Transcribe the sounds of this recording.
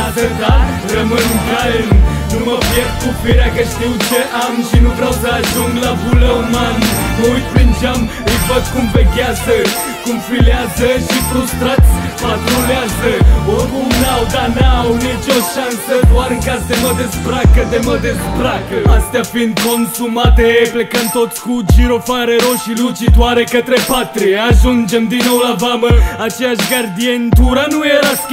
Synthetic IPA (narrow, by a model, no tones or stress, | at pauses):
azɐt̪a | lɐmɐnkaln | numɐvjɛʁkufiɾakɐʃt̪it͡ʃɐʔamʃinukɾawzaʒũŋlavulɐmɐnoipind͡ʒɐm | ivɐt̪kũmpɐkjazɐ | kũmfiljazɐʃip̪ɾust̪ɾat̪spɐt̪ɾuljazɐobunawd̪anawnit͡ʃoʃansəd̪waɾɨŋkazd̪eməd̪esbɾakəd̪eməd̪ezbɾakəast̪eafind̪ko̞nsumat̪eplekəmt̪o̞t̪skud͡ʒiɾofaɾeɾo̞ʃilut͡ʃit̪waɾe̞kət̪ɾepat̪ɾieaʒund͡ʒe̞md̪inːo̞wlabaməat͡ʃe̞jaʃɡard̪ient̪uɾanujeɾask